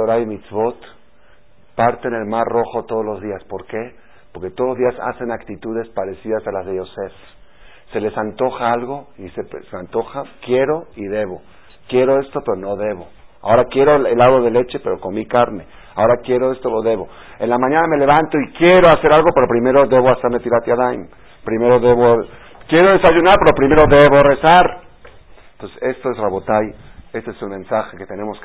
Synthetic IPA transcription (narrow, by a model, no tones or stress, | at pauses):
oɾajmit̪sβot̪ | paɾt̪eːne̞lmarro̞xo̞t̪o̞ð̞o̞zlo̞zðiaspo̞ɾke̞ | poɾke̞t̪oðlozðiasa̰se̞nakt̪it̪uðe̞spaɾe̞siðasalazðe̞ose̞s | se̞le̞sant̪o̞xaalɣo̞isepsant̪o̞xakje̞ɾo̞iðe̞βo̞ | kje̞ɾo̞e̞st̪o̞pe̞ɾono̞ðe̞βo̞a̰o̞ɾakje̞ɾo̞elaðoðe̞le̞t͡ʃe̞pe̞ɾo̞komikaɾne̞ | ao̞ɾakje̞ɾoe̞st̪oloðe̞βo̞ | enlamãɲaname̞le̞βant̪o̞ikje̞ɾo̞ase̞ɾalɣo̞pe̞ɾo̞pɾime̞ɾo̞ðe̞βoaseɾmet̪iɾat̪jaðajm | pɾime̞ɾo̞ðe̞βo | kje̞ɾo̞ðe̞saʝunaɾpe̞ɾopɾime̞ɾo̞ðeβo̞re̞saɾ | nt̪osese̞st̪o̞esraβot̪aje̞st̪eeselmẽ̞nsaxeket̪e̞ne̞mos